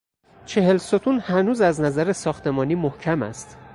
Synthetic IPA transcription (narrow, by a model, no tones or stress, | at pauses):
t͡ʃʰe̞he̞lsot̪ʰunhænuːzæznæzæɾesɒːxt̪e̞mɒːniːmohcʰæmæ̰st̪